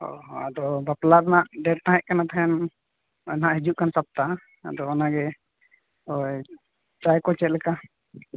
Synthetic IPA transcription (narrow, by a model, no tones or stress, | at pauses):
ɔ̰ad̪ɔbaplaɾnaʔɖɛɖ̚t̪ãɦɛ̃ʔ̚kanat̪ʰaɦɛn | ɔnɦaʔɦɛd͡ʒuʔ̚kansap̚t̪a | a̰d̪ɔɔnaɡɛ | ɔj | t͡ʃajkɔt͡ʃɛt̪̚lɛka